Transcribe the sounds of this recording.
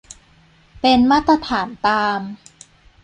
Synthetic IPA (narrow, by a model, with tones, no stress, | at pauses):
pe˧nmaː˥˩t̪ɾa˧t̪ʰaː˩˦nt̪aː˧m